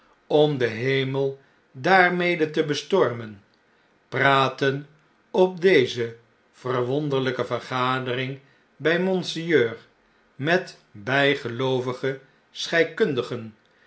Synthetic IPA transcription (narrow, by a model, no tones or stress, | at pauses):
ɔmdəɦejməlˠ | daːrmejdətəbəstɔɹmən | praːtən | ɔp̚dejzə | v̥ərʋɔndəɹləkəvərχaːdərɪŋ | bɛjmɔnsijøːr | mɛt | bɛjχəlowvəχə | sχɛjkɵndəχən